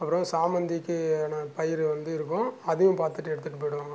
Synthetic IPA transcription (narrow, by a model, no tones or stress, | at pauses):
ɐpːɯɾɔ̃saːmɐnd̪ɪkːɯnɐ̃pɐjɪɾʋɐnd̪ɯɪɾɯkːʊ̃ɐðɐjʊ̃mpaːɾt̪ɯʈːɯɛɽɯt̪ːɯʈːɯpoɪɽʊ̃